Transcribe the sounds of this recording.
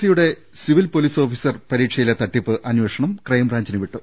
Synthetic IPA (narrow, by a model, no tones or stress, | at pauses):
sijuɽe̞ | siʋilpo̞liːso̞ːfisɐrpɐɾiːkʂɐjilet̪ɐʈːipːɨʔɐnweːʂɐɳɐmkrɐjmraːɲd͡ʑɐnɨʋiʈːu